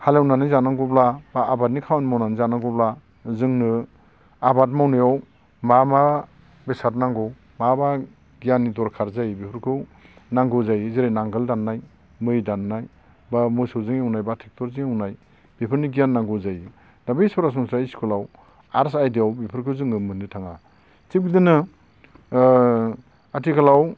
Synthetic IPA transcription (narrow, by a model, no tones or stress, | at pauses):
halewnanɯjzanaŋɡɔblabaːbat̚nikʰawanmawnanizanaŋɡɔbla | zɯŋnɯ | abat̬̚mawnɯjaw | mama | besatnaŋɡɔw | maba | ɡijanːidɔɾkʰaɾzajbipʰɯɾkʰɯ | naŋɡɯzajziɾajnaŋɡɯldanːaj | mɯjdanːaj | bamɔsɯzɯŋeunajbatʰek̚tɔɾzɯŋeunaj | b̥ipʰɯɾniɡijanːaŋɡɔzaj | d̥abisɔɾasɔŋsɾaiskʰulaw | aɾsajdiawbipʰɯɾkʰɯzɯŋɯmɯnɯtʰaŋa | tip̚ɡidɯnɯ | atʰikʰalaw